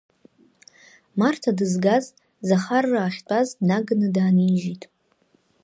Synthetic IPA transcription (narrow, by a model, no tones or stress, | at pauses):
martʰadɨzɡaz | zaχarːaːχʲt͡pʷʼaznaɡɨnɨdaːniʒitʼ